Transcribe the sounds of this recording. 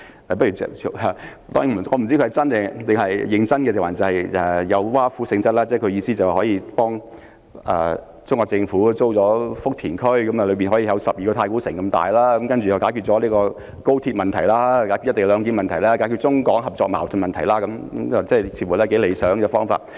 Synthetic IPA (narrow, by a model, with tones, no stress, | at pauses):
p̬ɐ˥jy˨˩t͡sɛ̰˨˩˥t̪ɔː˥ŋi˨˥m˨˩ŋɔː˨˧m̩˨˩t͡si˥kʰɵ˧ɐ˨˩jt͡sɐ˥nɛ˧˩t̪ɪ˨ŋɦɐ˨jːɪ˨˧ŋt͡sɐ˥nkɛ˧e˨˩waː˨˩nt͡sɐ˨˧˩hɐ˨jɛ˨jɐ˨˧wwaː˥fu˨˥sɪ˧ŋt͡sɐ˥t̚laː˥t͡sɛː˥˩kʰɵ˨˧ɥjiː˧siː˥t͡sɐ˨wa˨hɔː˨˥jiː˨˧pɔː˥ŋ | ɛ̰ː˨ | t͡sʊ˥ŋkɔː˧k̚t͡sɪ˧ŋfuː˨˥t͡so˥wt͡sɔː˨˥fʊ˥k̚t̪ʰiː˨˩nkʰɵ˥ɥkɐ˨˦ma˨lɵ˨˧ɥpiː˨nɦɔ˨˥jiː˨˧jɐ˨˧wsɐ˨p̚jiː˨kɔː˧t̪ʰaː˧jkuː˨˥sɪ˨˩ŋkɐ˧mt̪a̰ː˨jlaː˥ɐ˨˦˥mkɐ˥nt͡ʃy˨jɐ˨wkaː˨˥jky˨t̚t͡sɔː˨˦liː˥kɔː˧ | ko˥wt̪ʰiː˧t̚mɐ˨nt̪ʰɐ˨˩jlaː˥kaː˨˥jkyː˧jte˨˧lœː˨˧ŋk̬iː˨˥nmɐ˨nt̪ʰɐ˨˩jlaː˥kaː˨˥kyː˧t̚t͡sʊ˥ŋkɔː˨˥ŋɦɐ˨p̚t͡sɔː˧k̚ma̰ː˨˩wt̪ʰʊ˨nmɐ˨nt̪ʰɐ˨˩jlaː˥kɐ˨˦m˦ɐ˨t͡sɛː˥˩jsʰi˧˩fu˨˩lɛː˥ke˨˥le˨˧jsœː˨˥ŋkɛ˧fɔː˥ŋfa̰ː˧t̚